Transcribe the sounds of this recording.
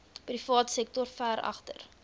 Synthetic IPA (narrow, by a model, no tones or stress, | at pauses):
prifɑːtsɛk̚tɔrfæːɾɐ̰χtə̰r